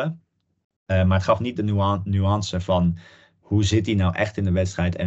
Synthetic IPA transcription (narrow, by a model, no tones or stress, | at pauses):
ə | maːɹətχɑfnit̚dənyɑnsəvɑn | huzɪt̚dinawʔɛχtɪndəʋɛtstrɛjtɛ̰